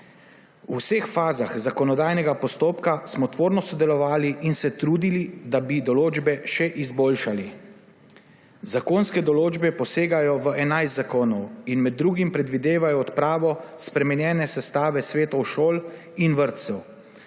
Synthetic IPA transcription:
usexfaːzaxzakɔnɔd̪aːjnɛɡapɔst̪oːpkasmɔt̪ʋoːɾnɔsɔd̪ɛlɔʋaːliinsɛt̪ɾuːd̪ilid̪abid̪ɔloːd͡ʒbɛʃɛʔizboːlʃali | zakoːnskɛd̪ɔloːd͡ʒbɛpɔseːɡajɔʋəʔɛnajst̪zakoːnɔwinmɛd̪ːɾuːɡimpɾɛd̪ʋid̪eːʋajɔːt̪pɾaːʋɔspɾɛmɛnjɛːnɛsɛst̪aːʋɛsʋeːt̪ɔwʃoːl | inʋəɾt̪t̪sɛw

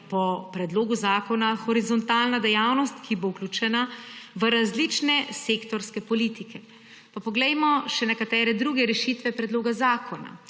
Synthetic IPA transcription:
pɔpɾɛd̪loːɡuzaːkɔnaxɔɾizɔnt̪aːlnad̪ɛjawnɔst̪kʰibowklʲuːt͡ʃɛnaʋəɾazlit͡ʃnɛseːkt̪ɔɾskɛpɔlit̪ikʰɛ | papɔɡlɛjmɔʃɛnɛkat̪ɛːɾɛd̪ɾuːɡɛɾɛʃit̪ʋɛpɾɛd̪loːɡazaːkʰɔna̰

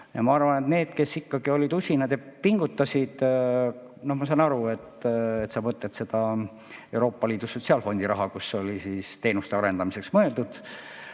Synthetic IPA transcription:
jɑmɑɑrvɑne̞t̪ne̞ːd̪̥ke̞sikːɑɡ̥io̞lʲid̪usʲinɑd̪̥jɑpiŋɡ̥ut̪ːɑsʲid̪̥ | no̞hmɑsɑnɑɾue̞t̪ːet̪sɑmɤt̪ːˑet̪se̞d̪̥ɑ | ewɾo̞ːpːˑɑliːd̪̥uso̞t̪ʲsiɑːlfo̞nd̪iɾɑɦɑkusːo̞lʲisiːst̪e̞ːnust̪e̞ɑɾe̞nd̪ɑmise̞ksmɤe̞ld̪ud̪̥

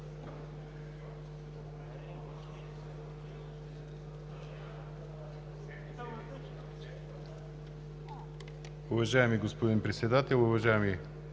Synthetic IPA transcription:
ʊvɐʒaɛmiɡospod̪inpɾɛt̪sɛd̪at̪ɛlˠʊvɐʒaɛmi

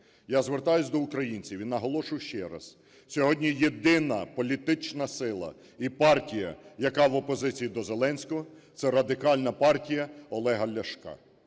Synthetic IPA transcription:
jazʋert̪ɑjʊsʲd̪ɔukɾɐjinʲt͡sʲiʋʲinːɐɦɔlˠɔʃʊjʃt͡ʃɛɾɐ̰s | sʲɔɦɔdʲnʲijed̪ɪnɐpɔlʲit̪ɪt͡ʃnɐsɪlˠɐ̰ | ipɑrtʲijɐ̰jɐkɑʋɔpɔzɪt͡sʲijid̪ɔzelˠɛnʲsʲkʊt̪sɛɾɐd̪ɪkɑlʲnɐpɑrtʲijɐɔlˠɛɦɐlʲɐʃkɑ̰

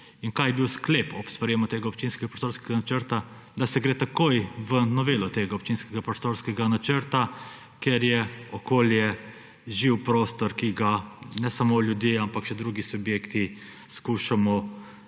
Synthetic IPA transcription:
inkajɛbiwsklepɔpst̪ʋaɾjɛmɔt̪eːɡaɔp̚t͡ʃinskɛɡapɾɔst̪oːɾskɛɡanat͡ʃəɾt̪a | d̪asɛɡɾeːt̪akojʋənɔʋeːlɔt̪eːɡaɔpt͡ʃiːnskɛɡapɾɔst̪oːɾskɛɡanat͡ʃəɾt̪a | keɾjɛɔkoːljɛ | ʒiwpɾoːst̪ɔɾkiɡanɛsamoljud̪jeampakʃɛd̪ɾuːɡisubjeːkt̪i | skuːʃamɔ

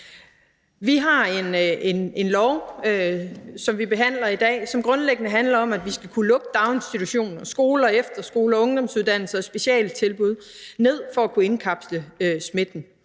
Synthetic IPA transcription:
ʋiɦɑ̈e̝nene̝nlɒʊøsɒ̽mʋib̥e̝ɦæn̰lɐid̥ɛ̰ːsɒ̽mɡ̥ʁɔ̽nleɡ̥ənəɦænlɐɒ̽mæd̥ʋisɡ̥ækʰulɔ̽ɡ̥əd̥ɑ̈ʊnsdit͡sʰuɕo̝̰ːnnɒsɡ̥o̝ːlɐefd̥ɐsɡ̥o̝ːlɐɒɔ̽ŋd̥ɒ̽msuðˠd̥æn̰l̩sɐsb̥e̝ɕiɛ̰ːlt͡sʰe̝lb̥uð̞ˠne̝ð̞̰ˠfɒ̽ækʰue̝nkʰɑ̈b̥sləøsme̝d̥n̩

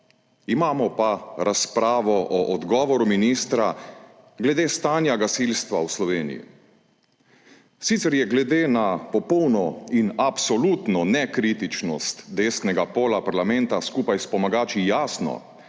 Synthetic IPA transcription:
imaːmɔpaɾʔaspɾaːʋɔʔɔʔɔd̪ɡɔːʋɔɾuminiːst̪ɾa | ɡlɛd̪eːst̪aːnjaɡasilst̪ʋawslɔʋeːnḭjḭ | sit̪sɛɾjɛɡlɛd̪eːnapɔpɔwnɔinapsɔlut̪nɔnɛkɾit̪it͡ʃnɔst̪d̪eːsnɛɡapoːlapaɾlamɛnt̪askuːpajspɔmaɡaːt͡ʃijaːsnɔ̰

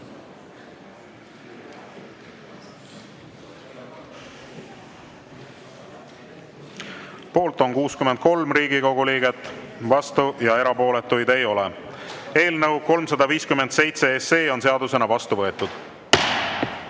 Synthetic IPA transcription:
po̞ːlt̪ˑo̞nkuːskyment̪̚ko̞lmɾiːɡiko̞ɡ̥uliːɡe̞t̪ːˑvɑst̪ujɑe̞ɾɑpo̞ːle̞t̪ːujd̪̥e̞jo̞le | e̞ːlnɤwko̞lmsɑd̪ɑviːskymːe̞nd̪se̞jt̪se̞esːe̞ːo̞nse̞ɑd̪use̞nɑvɑst̪uvɤe̞t̪ːˑud̪̥

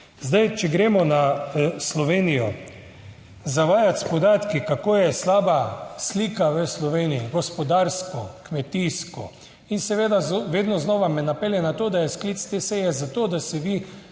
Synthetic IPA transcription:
zd̪ajt͡ʃɛɡɾeːmɔnaslɔʋeːnijɔ | zaʋaːjat̪spɔd̪aːt̪kikakoːjɛslaːbasliːkaʋəslɔʋeːnijiɡɔspɔd̪aːɾskɔkmɛt̪iːskɔ̰ | insɛʋeːd̪aʋeːd̪nɔznɔʋamɛnapɛljɛnat̪oːd̪ajɛskliːt̪st̪esɛjɛzat̪oːd̪asɛʋi

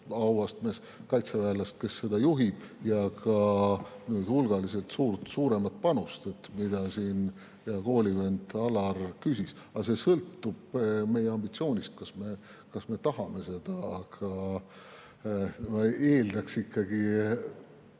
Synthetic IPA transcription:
ɑwɑst̪mes | kɑjt̪sevæːlːɑst̪̚ke̞sːe̞d̪̥ɑjuɦib̥jɑkɑnyːd̪hulɡ̥ɑlise̞lt̪suːrt̪suːɾe̞mɑt̪̚pɑnust̪e̞t̪mid̪̥ɑsiːn | jɑko̞ːlʲivend̪ɑlɑrkysis | ɑse̞sɤlt̪ːub̥me̞jeɑmbit̪sio̞ːnʲist̪̚kɑsme̞ | kɑsme̞t̪ɑhɑme̞se̞d̪̥ɑːɡ̥ʰɑ | mɑeːld̪ɑksikːɑɡi

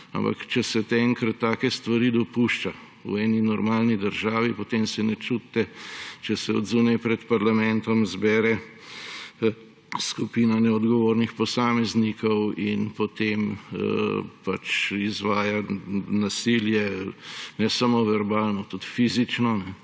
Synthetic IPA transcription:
a̰mpa̰kt͡ʃɛsɛt̪ɛŋkɾɐt̪ːaːkɛst̪ʋaɾiːd̪ɔpuʃt͡ʃa | ṵɛːninɔɾmaːlnid̪əɾʒaːʋipot̪emsɛnɛt͡ʃut̪t̪ɛt͡ʃɛsɛɔ̰d̪zunɛjpɾɛt̪paɾlamɛnt̪ɔmzbɛːɾɛ | skupiːnanɛɔd̪ɡɔʋoːɾnixpɔsaːmɛznikɔwinpot̪emə̰pat͡ʃizʋaːjanasiljɛ | nɛsamoʋɛɾbaːlnɔt̪ut̪fiːzit͡ʃnɔnɛ

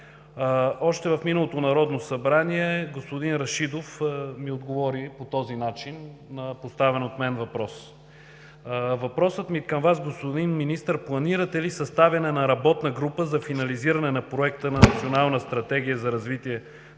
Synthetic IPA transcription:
ɔʃt̪ɛvɐfminəlˠot̪onɐɾɔd̪nosɐbɾaniɛɡospod̪inɾɐʃid̪ofmiod̪ɡovɔɾipot̪ɔzinat͡ʃinːɐpost̪avɛnot̪mɛnvɐpɾɔs | vɐpɾɔsət̪mikɐmvasɡospod̪inminist̪əɾplˠɐniɾət̪ɛlisɐst̪avɐnɛnɐɾɐbɔt̪nəɡɾupəzɐfinɐliziɾɐnɛnɐpɾoɛkt̪ənɐnɐt̪sionalˠnəst̪ɾɐt̪ɛɡ̟ijəzɐɾɐzvit̪iɛ

